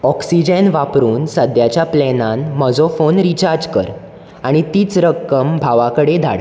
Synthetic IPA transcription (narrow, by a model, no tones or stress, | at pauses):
ɔksid͡ʑənʋapɾuːnsəd̪jat͡ɕjaplɛnanməd͡zofonɾit͡ɕaɾd͡ʑkəɾ | aɽ̃it̪iːt͡sɾəkːəmbʱaʋakəɽed̪ʱa̰ɽ